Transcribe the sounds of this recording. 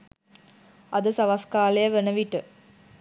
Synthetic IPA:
ɐd̪əsɐʋɐskaːlejəʋenəʋiʈɨ

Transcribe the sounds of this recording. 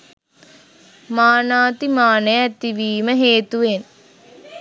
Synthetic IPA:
maːnaːt̪imaːnəjɛt̪iʋiːməɦeːt̪uʋen

